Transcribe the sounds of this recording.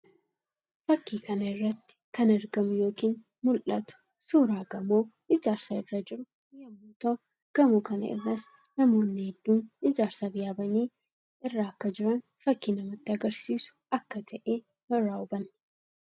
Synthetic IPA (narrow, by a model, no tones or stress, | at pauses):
fɐkːiːkɐnɐɪrːɐt̪ːɪ̥kɐnɛɾɡɐmʊjo̞ːkiːn | mʊlʔɐt̪ʊ̥ | suːɾaːɡɐmoː | ɪd͡ʒaːɾsaɪrːɐd͡ʒɪɾʊ | jɐmːuːt̪ɐ | ɡ̥ɐmʊkɐnɐ̰ɪ̰rːɐs | nɐmo̞ːnːɪhɛd̪ːuːnɪd͡ʒaːɾsabɪjaːbɐniː | ɪrːaːkːɐd͡ʒɪɾɐn | fɐkːiːnɐmɐt̪ːɪɐɡɐɾsiːsʊ̥ɐkːɐt̪ʰɐʔeː | hɔɾːaːʊbɐn